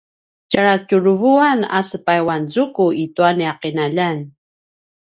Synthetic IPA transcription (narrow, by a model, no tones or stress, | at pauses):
caɾacuɾuvuana̰səpajwanzukuituaniaqinaʎan